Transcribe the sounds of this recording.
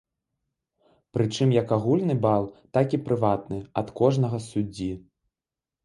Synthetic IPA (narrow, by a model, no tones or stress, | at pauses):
pɾɨt͡ʂɨmjɐkaɣulʲnɨbalˠt̪akʲipɾɨvat̪nɨɐt̪kɔʐnɐɣɐsud͡zʲːi